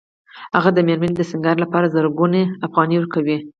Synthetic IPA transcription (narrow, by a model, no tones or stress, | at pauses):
haɣad̪əmeɾmand̪əsɪŋɡɑɾlapɑɾazəɾɡuneafɣɑniwəɾkawi